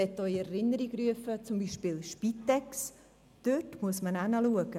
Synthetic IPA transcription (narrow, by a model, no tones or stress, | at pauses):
ɛtoiɛɾɪnəɾiɡryəfət͡sʊmbiːʃpiːlʃpitːɛks | d̥øtmuəsmənanəluəɡ̥ə